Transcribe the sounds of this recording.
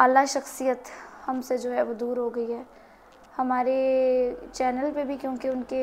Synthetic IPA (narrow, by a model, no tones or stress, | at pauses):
aːlːaʃɐxsijət̪hɐmsed͡ʒoːɦɛʋod̪uːɾɦoɡɐiɦɛː | hɐmaːɾe | t͡ʃɛːnəlpebʱikjõːkeʊnke